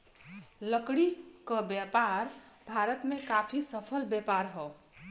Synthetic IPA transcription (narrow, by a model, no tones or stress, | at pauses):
ləkɽikəbjapaɾ | bʱaɾət̪mekapʰisəpʰəlbjepaɾɦɔ